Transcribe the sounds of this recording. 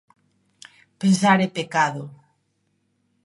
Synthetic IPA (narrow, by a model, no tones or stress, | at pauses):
pensaɾepekaðʊ